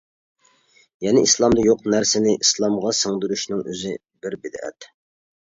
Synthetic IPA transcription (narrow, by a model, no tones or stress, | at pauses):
jɛnɪislˠɑmd̪ɑjoqnæɾsɪnɪʔislˠɑmʁɑsəŋd̪yɾyʃnɪŋø̰zɪ | bɪɾbɪd̪ɛ̰t̪